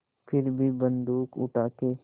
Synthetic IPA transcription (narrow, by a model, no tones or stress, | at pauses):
pʰɪɾbʱibə̃nd̪uːkʊ̰ʈʰaːke